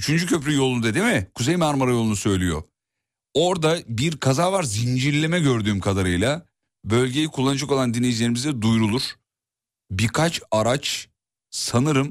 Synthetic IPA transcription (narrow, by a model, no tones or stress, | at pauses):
yt͡ʃʰynd͡ʒycʰøpɾʲyjo̞lˠunud̪ad̪imɪkʰuzejmaɾmaɾajo̞lˠunusø̞jlʲijo̞̰ | o̞ɾd̪abiɾkʰazaːvaɾzind͡ʒiɾlʲemɛɟø̞ɾd̪yːmkʰad̪aɾɯjlˠa | bø̞lʲɟe̞jikʰulˠːanɯd͡ʒako̞lˠand̪inʲejid͡ʒilʲe̞ɾimizd̪ɛd̪ujɾulˠuɾ̥ | biɾkʰat͡ʃaɾat͡ʃ | sanɯɾɯm